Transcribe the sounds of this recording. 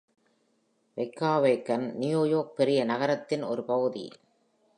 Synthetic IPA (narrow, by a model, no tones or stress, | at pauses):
ʋɛɪkːaːʋɐɪkːɐnnɪjoːjoːk̚pɛɾɪjɐnɐɣɐɾɐt̪ːɪnɔɾɯpɐɣɯðḭ